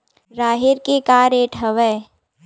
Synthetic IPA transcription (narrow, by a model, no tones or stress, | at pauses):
ɾaːɦɪɾkekaːɾeːʈɦəʋɛː